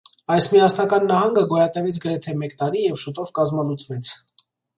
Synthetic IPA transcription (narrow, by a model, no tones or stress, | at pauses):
ɑjsmiɑsnɑkɑnːɑhɑŋɡəɡɔjɑt̪ɛvɛt͡sʰɡəɾɛt̪ʰɛmɛkt̪ɑɾijɛvʃut̪ɔvkɑzmɑnut͡sʰvɛt͡sʰ